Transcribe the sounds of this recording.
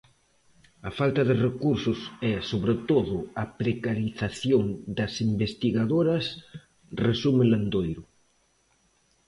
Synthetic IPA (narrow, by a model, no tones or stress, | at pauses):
ɐfalt̪ɐðɪrekuɾsʊsɛsoβɾet̪oðʊɐpɾekaɾiθaθjoŋd̪ɐsimbest̪iɣaðoɾɐs | resumeland̪ojɾʊ